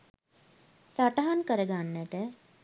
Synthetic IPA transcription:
saʈɐɦankəɾəɡanːæʈə

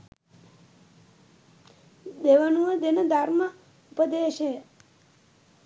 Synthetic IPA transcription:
d̪eʋanuʋəd̪enəd̪ʱaɾma | upəd̪eʃe

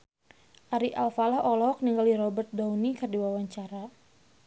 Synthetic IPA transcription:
ʔaɾiʔalfalahɔlɔk̚niŋɡaldiɾɔbərt̪̚dawnikərdiwawaɲt͡ʃaɾa

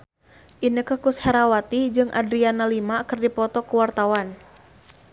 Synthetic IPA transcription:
ʔinəkəhkusheɾawat̪id͡ʒɨŋʔa̰dɾianalimakɨrdipɔt̪ɔkuwart̪awan

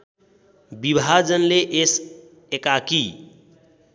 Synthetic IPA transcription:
bibʱad͡ʒənleʔes | ekaki

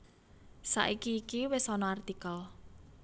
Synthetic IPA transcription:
sa̰ʔikiːkiwesɔnɔart̪ikəl

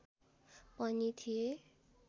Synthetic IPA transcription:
pʌnit̪ʰije

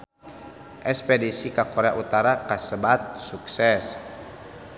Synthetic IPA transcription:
ʔɛspɛdisikakoɾea̰ʔut̪aɾakasəbat̪̚suksɛs

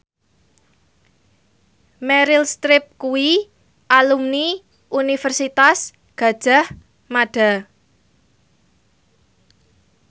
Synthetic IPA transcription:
mɛɾɪlst̪ɾɪp̚kuwi | ʔalumni | ʔunifɛrsit̪as | ɡ̥ä̤d̥ʒ̥a̤h | maɖ̥a̤

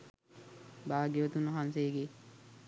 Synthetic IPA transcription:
baːɡeʋot̪unːɐɦanseːɡe

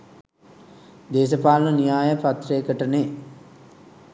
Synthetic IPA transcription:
d̪eːs̬əpaːlənənijaːjəpat̪reːkəʈəne

